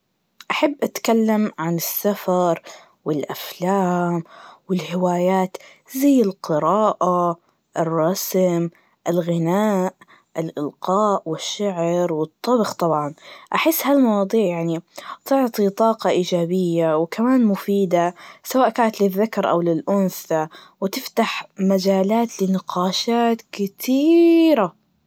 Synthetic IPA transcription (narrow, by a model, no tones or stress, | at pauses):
ʔaħabːʔat̪kalːamʕanɪsːafɑɾˤ | wɪlʔaflaːmwɪlhɪwaːjaːt̪ | zajːɪlqɨɾɑːʔa | ʔɪrˤːɑsm | ʔɪlɣɪnaːʔ | ʔɪlʔɪlqɑːʔwɪʃːaʕɾwɨt̪ˤːɑbxt̪ˤɑbʕɑnʔaħɪsːhalmɑwɑːd̪ˤiːʕjaʕnit̪ʊʕt̪ˤit̪ˤɑːqɑʔiːd͡ʒaːbɪjːawkʰamaːnmʊfiːd̪asawaːʔkaːnat̪lɪðːakɑɾˤʔa̰wlɪlʔʊnθa | wɪt̪ɪft̪aħmad͡ʒaːlaːt̪lɪnɪqɑːʃaːt̪kɪt̪ʰiːɾa